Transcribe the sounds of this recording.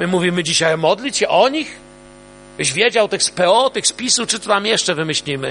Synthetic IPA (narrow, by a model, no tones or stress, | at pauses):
mɘmuvʲimɘd͡ʑiɕajmɔd̪lʲit͡ɕɕɛʔɔɲix | bɕvʲjed͡ʑawt̪ɘxspɛɔt̪ɘxspʲisut͡ʂɨt̪ɔt̪amjɛʂt͡ʂɛvɘmɘɕlʲimɘ̰